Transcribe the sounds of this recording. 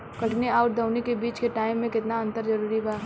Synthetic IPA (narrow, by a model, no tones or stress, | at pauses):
kɐʈneaːʊʈ̚d̪ʱɐʊnekebiːt͡ʃkeʈaːɪmːẽkɪt̪naɐ̃nt̪əɾzɐɾuːɾibaa